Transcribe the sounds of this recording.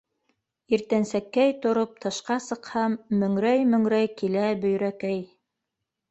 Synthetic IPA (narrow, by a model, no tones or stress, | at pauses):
iɾt̪ænsækːæjt̪ŏɾop̚t̪ʰɤ̆ʃqɑsɤ̆qhɑmːɵ̆ŋɾæjmɵ̆ŋɾæjkilæbɵ̆jɾækæj